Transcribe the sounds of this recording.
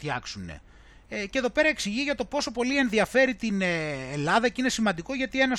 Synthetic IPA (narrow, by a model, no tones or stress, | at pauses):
çɐksune̞̰ | ceðo̞pe̞ɾɐeksiʝiʝɐt̪o̞po̞so̞po̞lie̞nðiɐfe̞ɾit̪inelɐðɐcine̞simɐnd̪iko̞ʝɐt̪ie̞nɐs